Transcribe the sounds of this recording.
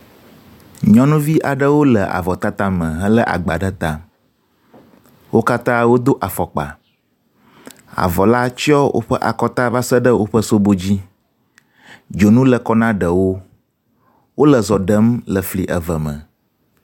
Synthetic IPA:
ɲɔ̃˦nũ˦vi˦ʔa˨ɖə˦wo˦lə˨ʔa̰˨vɔ˨t̪a˦t̪ã˦mə̃˨ɦə̃˦lə˦ʔa̰˨ɡ͡ba˨ɖə˦t̪ã˨ | wo˦ka˦t̪ã˦wo˦d̪o˦ʔa˨fɔ˨k͡pa̰˨ | a̰˨vɔ˨la˦t͡ʃɔ˦wʔo̰˦ɸə˦ʔa̰˨kɔ˦t̪a˦va˦sə˦ɖə˦wo˦ɸə˦so˦bo˦d͡ʑi˦ | d͡ʒo˨nũ˦lə˨kɔ˦nã˦ɖə˨wo˦ | wo˦lə˨zɔ˨ɖə˦mlə˨fli˨ʔə˨və˨mə̰̃˨

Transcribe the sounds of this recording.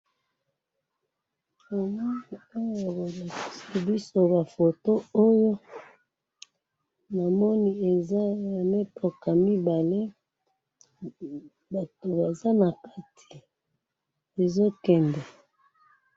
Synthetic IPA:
o˨mɔ˦i˨o˦jo˨bo˨la˨ki̥˨si˨bi˦so˦ba˨fo˨to˦o˦jo˦ | na˨mɔ˦ni˨e˨za˦˨me˦pɔ˨ka˨mi˦ba˨le˦ | ba˨to˨ba˨za˦na˨ka˦tʰi̥˨ | e˨zo˦kɛ˨ndɛ˨

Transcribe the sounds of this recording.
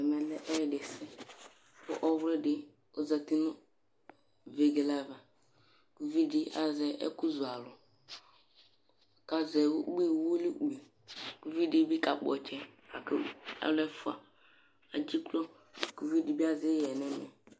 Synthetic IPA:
ɛ˨mɛ˨lɛ˦ʔɛ˦ɾde˨sɛ˦ | pʊ̰˦ʔɔ˦wɾɪ˦dɪ˦ | o˦za˨ti˦nɔ˦ | ve˨ɡe˨la˦va˨ | ku˨vi˦di˦a˨zɛ˨ʔɛ̰˦ku˦zu˨a˨lʊ˨ | ka˨zɛ˨wɡ͡bi˦wu˦li˦ɡ͡bi˨ | ku˨vi˦di˦bi˦ka˨k͡pɔ˨t͡ʃɛ˦ka˨kɪ˦a̰˦lɛ˦fu˦a̰˨ | a˨d͡ʒi˦klɔ˦ | ku˨vi˦di˨bi˦a˦zɪ˦jɛ˨nɛ˦mɛ˨

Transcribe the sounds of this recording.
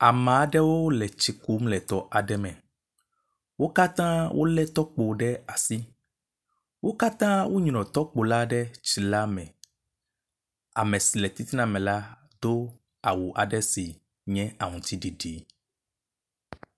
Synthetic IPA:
a˨mã˨˦ɖɛ˦wo˦lɛ˨t͡ʃi˨ku˦mlɛ˨t̪ɔ˨ʔa˨ɖɛ˦mɛ̃˨ | wo˦ka˦t̪ã˦wʔo̰˦lɛ˦t̪ɔ˦k͡po˨ɖɛ˦a˨si˦ | wo˦ka˦t̪ã˦wo˦ɲnɔ̃˨t̪ɔ˦k͡po˨la˦ɖɛ˦t͡ʃi˨la˦mɛ̃˨ | a̰˨mɛ̃˨si˨lɛ˨t̪i˦t̪i˦nã˨mɛ̃˨la˦ | d̪̥o˦ | a˨wu˨ʔa˨ɖɛ˦si˨ | ɲɛ̃˦a˨ŋũ˨t̪i˦ɖi˨ɖi˨˦

